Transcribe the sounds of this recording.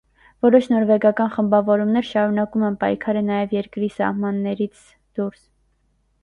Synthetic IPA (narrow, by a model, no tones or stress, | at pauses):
vɔɾɔʃʰnɔɾvɛɡɑkɑnχəmbɑvɔɾumnɛɾʃɑɾunɑkumɛnpɑjkʰɑɾənɑjɛvjɛɾkɾisɑ̰hmɑnːɛɾit͡sʰ | d̪̥uɾs